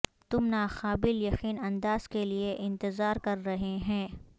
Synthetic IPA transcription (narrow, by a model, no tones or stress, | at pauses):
t̪ʊmnaːxaːbɪljɐqiːnɐ̃nd̪aːz̥kelieʔɪ̃nt̪ɪzaːɾkɐɾːɐɦeɦɛ̃ː